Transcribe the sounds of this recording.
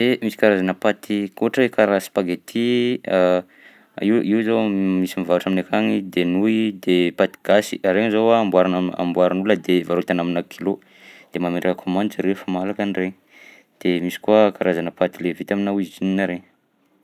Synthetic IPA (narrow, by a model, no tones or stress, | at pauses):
emisi̥kaɾazanəpat̪ʰikoʈ͡ʂekaɾasi̥paɡet̪ʰia | iwʔiwzamisimivavaʈ͡ʂaminakʰaŋid̪enuid̪epat̪i̥ɡ̥asiʔaɾeŋzawaːmbwaɾanaa̰mbwaɾanuləd̪evaɾot̪anaminakʰilo | d̪̥emamenɖ͡ʐakəkʰomãnd̪ziɾefamalakanreɲi | d̪̥emisi̥kuəkaɾazanəpat̪ilevet̪aminawizitininaɾeɲ